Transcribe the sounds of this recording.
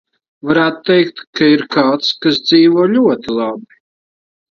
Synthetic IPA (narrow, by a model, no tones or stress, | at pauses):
vaɾaːt̪t̪ːɛjkt̪kaiɾkaːt̪skas̬d̪ziːvuɔlʲuɔt̪ilˠabi